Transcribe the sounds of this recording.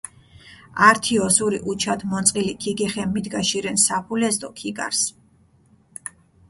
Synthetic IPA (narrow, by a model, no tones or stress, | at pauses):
aɾt̪ʰiɔsuɾiʔut͡ʃʰad̪mɔnt̪sʼqʼilikʰiɡɛχɛmːid̪ɡaʃiɾɛnsapʰulɛzd̪ɔkʰiɡa̰ɾs